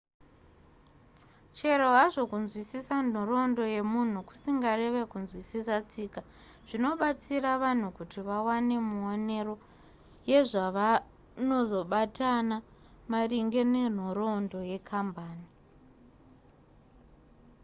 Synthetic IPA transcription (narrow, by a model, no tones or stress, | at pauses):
t͡ʃe̞ɾoɦaʐo̞kunzwisisan̤oro̞ndo̞je̞mun̤uku̥siŋɡare̞ʋe̞kunzwisisat͡siːka | ʐ̥ino̞ɓat͡siraʋan̤ukutiʋawane̞muone̞ro̞ | je̞ʐaʋa | no̞zo̞ɓatʰana | mariŋɡe̞ne̞n̤oɾondo̞je̞kʰambaːni